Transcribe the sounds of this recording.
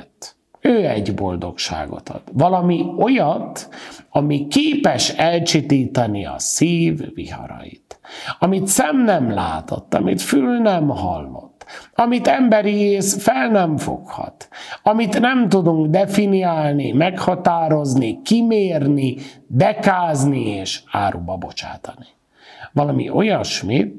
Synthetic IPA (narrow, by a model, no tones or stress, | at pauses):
t̪ | øːɛɟbo̞̰ld̪o̞̰kʃa̰ːɡo̞̰t̪ɒ̰d̪̥vɒlɒmio̞jɒt̪ɒmikeːpɛʃɛlt͡ʃit̪iːt̪ɒniɒ̰siːvːḭhɒ̰ɾɒ̰jḭt̪ɒmit̪sɛmnɛmla̰ːt̪ʰo̰t̪ːɒ̰mit̪fylnɛmhɒ̰lːo̞̰t̪ːɒmit̪ɛmbɛɾieːsfɛlnɛɱfo̰khɒ̰t̪ɒmit̪nɛmt̪ud̪uŋɡd̪ɛfiniaːlnimɛkhɒt̪aːɾo̞znikimeːrnib̪ɛkaːznieːʃaːɾubɒbo̞t͡ʃa̰ːt̪ɒni | vɒlɒmḭʔo̞jɒʃmit̪